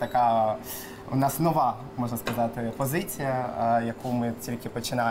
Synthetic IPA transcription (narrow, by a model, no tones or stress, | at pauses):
t̪ɐkɑ | ʊnɑsnɔʋɑ | mɔʐnɐskɐzɑt̪ɪpɔzɪt͡sʲijɐjɐkumɪtʲilʲkʲɪpɔt͡ʃɪna